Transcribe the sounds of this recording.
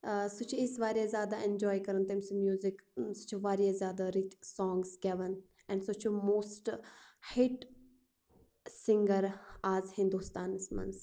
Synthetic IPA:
sʊt͡ʃʰuɪsʋaːɾiezʲjaːd̪aʔɛ̃nd͡ʒɔːjkɐɾənt̪ɐmsumjuːzɪksʊ̥t͡ʃʰuʋaːɾijezjaːd̪aɾit̪sɔ̃ːŋɡsɡɛʋən | ɛ̃ɳɖsot͡ʃʰumoːsʈhɪʈ | sɪ̃ŋɡəɾaːzhɪ̃nd̪ust̪aːnsmɐ̰ns

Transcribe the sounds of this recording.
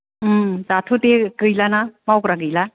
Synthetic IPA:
zatʰutekɯjlanamawkɾaɡɯjla

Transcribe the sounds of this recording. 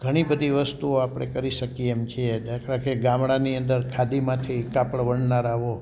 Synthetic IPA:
ɡʱəɽ̃ibəd̪ʱiʋəst̪uoapɽ̃ekəɾiʃəkieemt͡ʃʰied̪akʰɾakeɡãmɽaniənd̪əɾkʰad̪imãt̪ʰikapəɽʋəɳnaɾaʋo

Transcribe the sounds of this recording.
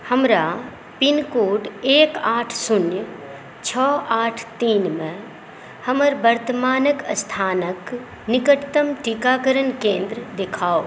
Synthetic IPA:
həmɾa | pɪnkoːʈeːkaːʈʰsʊnjə | t͡ʃʰɔːaːʈʰt̪iːnmẽ | həməɾbəɾt̪əmaːnəkst̪ʰaːnək | nɪkəʈt̪əmʈikaːkəɾənkẽːnd̪ɾəd̪ɪkʰaːo

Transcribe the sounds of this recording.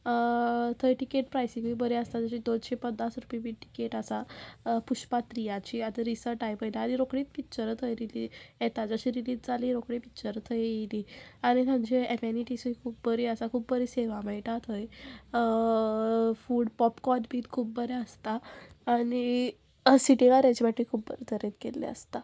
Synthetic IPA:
t̪ʰəjʈikeʈ̚pɾajsĩɡiːbəɾeəst̪ad͡zəɕiːd̪onɕepənːasɾupĩbiːʈi̥keʈəsapuɕpat̪ɾijãt͡ɕiat̪əɾisəɾʈajpəjlaːɽiɾokɽiːt̪pitːt͡ɕəɾət̪ʰəjɾilijet̪ad͡zəɕiːɾiliːd͡zd͡zaliːɾokɽipit͡ɕəɾət̪ʰəjiliaɽ̃it̪ʰə̃ɲd͡ʑeɛmeniʈisuikʰuːpːəɾiəsakʰuːbbəɾiseʋaməiʈat̪ʰɦəj | fuːɽpɔpkɔʈbʱiːt̪kʰuːp̚bəɾɛəst̪aːɽ̃i | siʈiɡaɾat͡ɕbaʈikʰuːb̚bəɾet̪ʰəɾet̪̚kelːḛə̰st̪a

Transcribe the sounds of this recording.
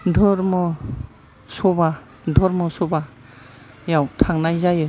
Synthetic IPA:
dʱɔɾmɯ | sɔba | dʱɔɾmɯsɔba | jawtʰaŋnajzajɯ

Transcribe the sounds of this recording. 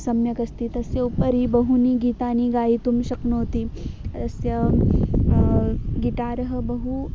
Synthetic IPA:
sɐmjɐkɐst̪it̪ɐsjɐupəɾibɐɦuniːɡiːt̪aːniɡaːit̪umʃɐknoːt̪it̪ɐsjɐ | ɡiʈaːɾɐɦɐ̆bɐɦu

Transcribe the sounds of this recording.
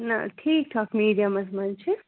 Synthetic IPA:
na̰ʈʰiːk̚ʈʰaːkmiːɖijamɐsmɐnt͡ʃʰi

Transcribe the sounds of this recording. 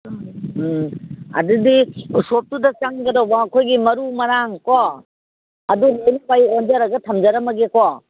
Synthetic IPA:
ɐ̰dudisop̚tudɐt͡ʃaŋɡɐɾawbɐːkʰojɡimɐɾumɐɾaŋkɔ | ɐdunejnpajond͡ʒɐɾɐɡɐtʰɐmd͡ʒɐɾɐmɐɡekɔ

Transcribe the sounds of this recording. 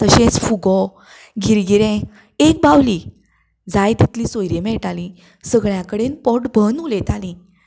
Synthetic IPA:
t̪əɕẽt͡sfuɡɔ | ɡʱiɾɡiɾẽ | ek̚bawli | d͡zajt̪it̪lisojɾẽmɛʈalĩ | səɡɭjãkəɽenpɔʈbʱənulẽt̪alĩ

